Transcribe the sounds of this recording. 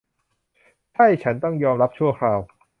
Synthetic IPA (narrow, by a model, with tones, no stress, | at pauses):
t͡ɕʰa˥˩jt͡ɕʰa˦˥nt̪ɔ˥˩ŋjɔː˧mɾa˦˥p̚t͡ɕʰu˥˩ɐkʰɾaː˧w